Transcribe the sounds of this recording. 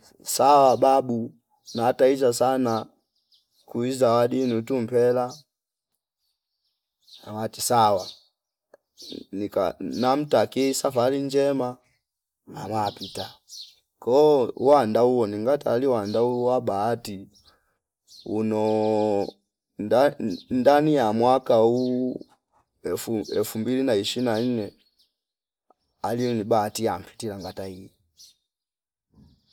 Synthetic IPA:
sawababu | nataizasana | kuizawadinutum̩pɛla | awatisawa | nika̰nam̩takisafaliɲd͡ʒɛma | a̰mapita | kɔwandauwɔniŋɡataːliwandauwabaːti | unɔ | ndanijamwakau | fɛ̰fumbilinaiʃinan̩nɛ | alinibaːtiam̩pʰi̥tilaŋɡataiɛ

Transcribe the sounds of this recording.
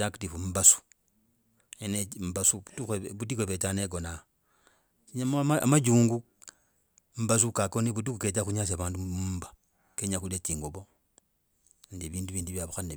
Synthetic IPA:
aktifumbasu̥ | enembasutueβutikweβetaneɡona | ɲammaamad͡ʒuːŋɡu | m̩bas̬ukakoniβut̬ikuketaxuɲasaβaːnduumbḁ | keɲaxulet͡ʃiːŋɡoβo | ndiβiːnduβiːnduβjaβuxane

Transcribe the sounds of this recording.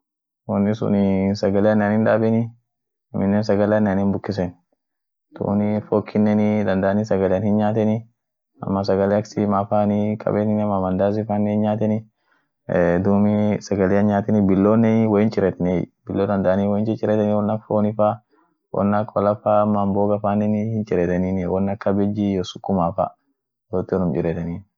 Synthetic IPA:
wɔnːɪsʊ̰nnsɐɡɐleɐnːɪɐnɪnᶑaːbɛnɪ | ɪmɪnːɛnsɐɡɐlɛɐnːɪɐnɪnbʊkːɪs̬ɛn | t̪ṵːnɪfoːkʰːɪnːɛnɪd̪ɐnd̪ɐʔanisɐɡɐleɐnhɪnɲaːt̪ɛnɪ | ɐ̰mːɐs̬ɐɡɐleɐksɪmafaːnɪkʼɐ̰bɛnɪnmamɐnd̪aːs̬ɪfaːnːɛhɪnɲaːt̪ɛnɪ | d̪uːmɪsɐɡɐleɐnɲaːt̪ɛnibɪlːoːnːɛwɔɪnt͡ʃʼɪɾɛt̪ɐnibɪlːoːd̪ɐnd̪aʔaniːwɔɪnt͡ʃɪt͡ʃʼɪɾɛt̪ɛniwɔnːɐfoːnɪfa | wʔɔ̰nːɐkʰːɔlɐfamːɐːmboːɡɐfaːnɛnhɪnt͡ʃʼɪɾɛt̪ɐniːnwɔnːɐkːɐbɛd͡ʒːijosʊ̥kːʊmaːfa̰ | jot̪ːnʊmt͡ʃɪɾɛt̪ɐniːn

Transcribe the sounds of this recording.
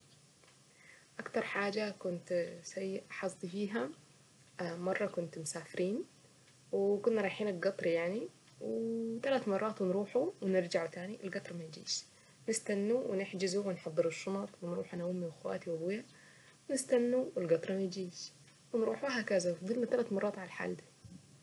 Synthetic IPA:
ʔakt̪ɑɾˤħaːd͡ʒakʊnt̪sajːɪʔħɑsˤːifiːɦa | mɑrˤːɑkʊnt̪mʊsaːfɪɾʔiːn | wɪkʊnːaɾˤɑːħiːnɪlɡɑt̪ˤɾjaʕni | wɪt̪alat̪mɑrˤːɑːt̪wɪnɾuːħuwɪnɪɾd͡ʒaʕut̪aːniʔɪlɡɑt̪ˤɾˤɑmajd͡ʒḭːʃ | nɪst̪anːuwɪnɪħd͡ʒɪzuwɪnħɑd̪ˤːɨɾɨʃːʊnɑt̪ˤwɪnɾuːħʔanawʊmːiwɪxwa̰ːt̪iwɪbuja | wɪnɪst̪anːuwɪlɡɑt̪ˤɾˤɑmad͡ʒiːʃ | wɪnɾuːħuɦakazafd̪ˤɨlnat̪alat̪mɑrˤːɑːt̪ʕalħa̰ːld̪i

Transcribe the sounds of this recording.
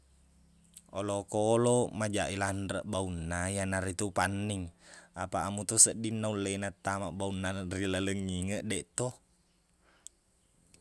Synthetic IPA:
ɔlɔkɔlɔmad͡ʒaʔilandɾəʔbaunːajanaɾit̪upanːiŋapaːmut̪ɔsəʔdinːaulːɛnat̪ːamaʔbaunːarilələŋːiŋəʔdɛʔt̪ɔ

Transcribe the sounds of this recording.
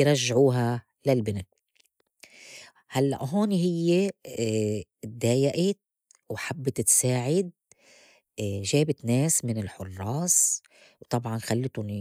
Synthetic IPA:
ɾˤɑʒːʕuːɦa | lalbɪna | halːa̰ʔɦoːniɦɪjːe | d̪aːjaʔɪt̪ | wħabːɪt̪t̪saːʕɪd̪̚ | ʒeːbɪt̪neːsmɪnɪlħʊrˤːɑːs | wt̪ˤɑbʕɑnxalːɪt̪ʊni

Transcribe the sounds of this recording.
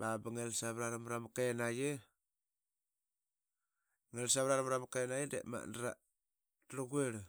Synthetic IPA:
babaŋelsaβɾaɾamɾamakenaje | ŋelsaβɾaɾamɾamakenajedḛma̰ndaɾa̰ | tɾoɡueɾ

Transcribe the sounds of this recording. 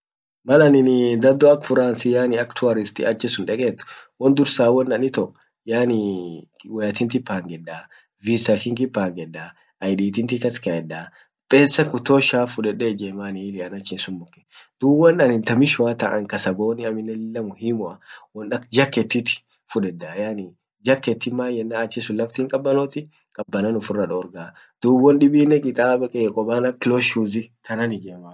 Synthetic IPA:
mɐlɐnɪnd̪ɐd̪ɔɐkfʊɾaːnsɪjaːnɪɐkt̪ʰʊɐɾɪst̪ḭɐt͡ʃːɛsʊnᶑɛkʼeːt̪ːʊ̥wɔnd̪ʊɾsaːwɔnːɐnɪt̪ɔ | jaːni | wɐjɐt̪ɪnt̪̬ɪpːaːŋɡɛdːaː | visɐkɪŋkɪpːaːŋɡɛdːaː | ɐjdiːt̪ɪnt̪ɪkɐskɐɛdːaː | pʼeːsːɐkʊt̪ːoːʃaːfʊᶑɛᶑeːd͡ʒɛmaːniːlɪɐnɐt͡ʃːɪnsʊmːʊkːɛ̥ | d̪̥uːbːɐnɐnɪnt̪ɐmɪʃwaːt̪ɐʔɐ̰ŋkɐsɐboːnɪɐmɪnːɛlɪlːɐmʊhimʊɐwɔnɗɐkd͡ʒɐkːɛt̪ːɪt̪ɪ̥ | fʊᶑɛdːaːjaːni | d͡ʒɐkːɛt̪ːɪmaːjɛnːaːt͡ʃːɛsʊlːɐft̪iːŋkʼɐbːɐnoːt̪ɪ | kʼɐbːɐnɐnʊfʊrːɐᶑɔːɾɡa | d̪̥uːbːɔnɗɪbiːnːɛkʼɪt̪ʼaːbɐkʼɛkʼɔbaːnɐkɪloʃuzɪk̪ɐnɐnɪd͡ʒeːmaː

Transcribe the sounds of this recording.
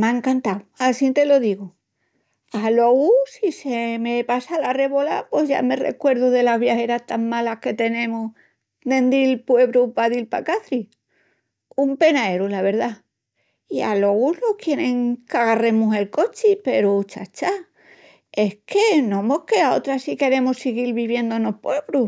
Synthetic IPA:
mãeŋkant̪awasint̪e̞lo̞ðiɣu | alo̞ɣusisemepasalare̞βo̞lapwe̞zʝa̰me̞re̞̰kwe̞ɾðuðe̞lazβjahe̞ɾast̪aŋmalahke̞t̪e̞nẽ̞mu | d̪ẽ̞nd̪ilpwe̞βɾupaðilpa̰kaθɾi | umpe̞naeɾulaβ̞e̞ɾða | ia̰lo̞ɣulo̞kje̞ɾẽ̞ŋkaɣare̞muse̞lko̞t͡ʃipe̞ɾut͡ʃa̰t͡ʃa | e̞hkʰe̞nõ̞mo̞hke̞ao̞t̪ɾasike̞ɾe̞musiɣilβiβje̞nd̪ono̞hpwe̞βɾu

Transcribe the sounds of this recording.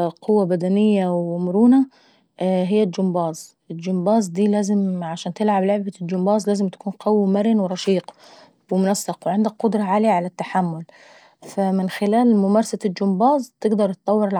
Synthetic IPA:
qʰʊwːabad̪anɪjːawmʊɾuːna | ɦɪjːald͡ʒʊmbɑːzˤ | ɪd͡ʒʊmbɑːzˤd̪iːlæːzɪmʕaʃaːnt̪ɪlʕablʊʕbad͡ʒʊmbɑːzlæːzɪmt̪ḁkuːnqɑwmaɾɪnwɾˤɑʃiːq | wɪmʊnɑsːɪqwʕɪnd̪ak̚qʊd̪ɾˤɑʕaːlɪjaʕalat̪ːaħamːʊl | famɪnxɪlaːlmʊmɑːɾˤɑsald͡ʒʊmbɑːzˤt̪ɪɡd̪ɑɾˤt̪ɨ̥t̪ˤːɑwːɪɾɪlʕ

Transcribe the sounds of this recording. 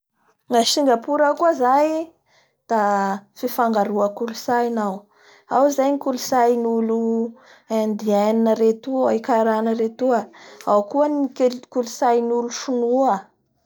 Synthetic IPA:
ŋaʃiŋɡapuɾakuəzaj | d̪̥afifaŋɡaɾuəkulusajnaw | awzajnikulusajnulu | and̪ianinəɾet̪uikaɾanəɾet̪uaawkuənkulusajnuluʃunuə

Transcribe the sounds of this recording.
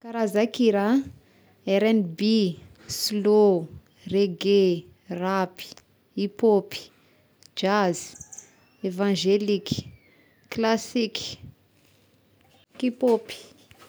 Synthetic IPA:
kaɾazakiɾa | eɾɛnbi | slo | reɡe | rapi̥ | ipopi̥ | d͡ʒazi̥ | evãʒeliki̥ | klasiki̥ | kipopi̥

